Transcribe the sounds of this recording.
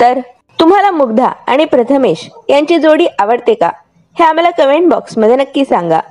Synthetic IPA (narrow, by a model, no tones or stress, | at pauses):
t̪əɾ | t̪um̤alamuɡd̪ʱa̰a̰ɽ̃ipɾət̪ʰəmeɕjaɲt͡ɕid͡zoɽiːʔaʋəɽt̪eka̰ | heam̤alakəʋeɳbɔksməd̪ʱənəkːiːsaŋɡa̰